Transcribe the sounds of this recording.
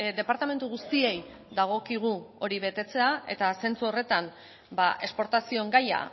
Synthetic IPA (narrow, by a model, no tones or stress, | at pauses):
d̪e̞paɾt̪ame̞nt̪uɣust̪ie̞j | ðaɣ̞o̞kiɣ̞uo̞ɾiβ̞e̞t̪e̞t͡se̞ae̞̰t̪ase̞nt͡suo̞re̞t̪an | baʔe̞spo̞ɾt̪asio̞ŋɡaja̰